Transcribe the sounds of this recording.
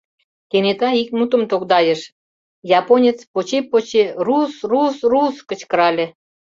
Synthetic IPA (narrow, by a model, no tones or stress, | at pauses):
t̪enet̪ɑik̚mut̪ə̆mt̪okd̪ɑjĕʃ | jɑponʲet͡spot͡ɕepot͡ɕerusrusruskə̆t͡ɕkə̆ɾɑlʲĕ